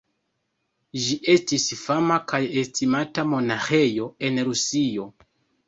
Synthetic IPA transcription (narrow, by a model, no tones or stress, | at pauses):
ʒiʔe̞stisfamakajestimatamo̞naxe̞jo̞e̞nɾusio̞